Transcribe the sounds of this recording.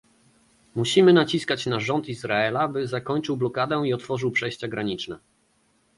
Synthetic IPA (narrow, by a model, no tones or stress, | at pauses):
muɕimɘnat͡ɕiskat͡ɕnaʐɔnt̪izɾaɛlabɘzakɔɲt͡ʂɘwblɔkad̪ɛiɔt̪fɔʐɘwpʂɛjɕt͡ɕaɡɾaɲit͡ʂnɛ